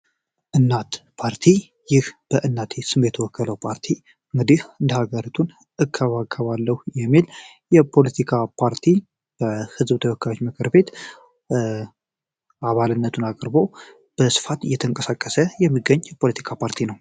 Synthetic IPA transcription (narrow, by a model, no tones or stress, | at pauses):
ʔɨnːat̪pʰaɾt̪ʰi | jɪhb̥əʔɨnːat̪ʰesɨmːjɛt̪ʰəwɔkʰːələwpʰaɾt̪ʰi | ɨŋɡɨd̪ihɨnd̪əhaɡəɾit̪ʰun | ɨkʰːəβaɡəβalːəhujɛmːil | jɛpʰo̞lət̪ʰikʰapʰaɾt̪ʰi | b̥əhɨzbt̪ʰəwɔkʰːajo̞t͡ʃːmɨkʰɨɾbe̞t̪ | ʔaβalɨnːət̪ʰunakʼɾbo̞ | b̥əsɨ̥fat̪ɨjːɛt̪ʰəŋkʼəsakʼːəsəjɛmːiɡəɲːpʰo̞lət̪ʰi̥kʰapʰaɾt̪ʰinəw